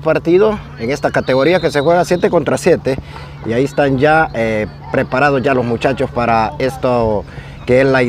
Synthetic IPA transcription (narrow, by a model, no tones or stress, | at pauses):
paɾt̪iðo̞ | eŋe̞st̪akat̪e̞ɣo̞ɾiake̞sexwe̞ɣasje̞t̪e̞ko̞nt̪ɾasje̞t̪e̞ | ḭaiest̪and͡ʒae | pɾe̞paɾað̞ozʝalo̞smut͡ʃat͡ʃo̞spaɾaest̪o | keellːai